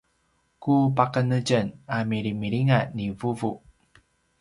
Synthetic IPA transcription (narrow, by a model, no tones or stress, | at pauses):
kupakənəɟənamiɾimiɾiŋanivuvu